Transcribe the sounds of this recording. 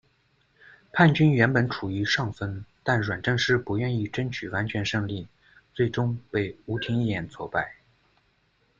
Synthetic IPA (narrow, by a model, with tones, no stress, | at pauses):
pʰa˥˩nt͡ɕy˥nɥɛ˧˥npə˧˥nʈ͡ʂʰu˨˩i˧˥ʂɑ˥˩ŋfə˥nt̪a˥˩nɻwa˨˩nʈ͡ʂɤ˥˧ŋʂɻ̩˥˩pu˧˥ɥɛ˥˧ni˥˩ʈ͡ʂə˥ŋt͡ɕʰy˨˩wa˧˥nt͡ɕʰɥɛ˧˥nʂɤ˥˧ŋli˥˩ | t͡swe˥˩ɪʈ͡ʂʊ˥ŋpe˥˩ɪu˧˥t̪ʰi˧˥ŋi˥˧jɛ˥˩nt͡sʰwɔ̰˧˥˩pa˥˩ɪ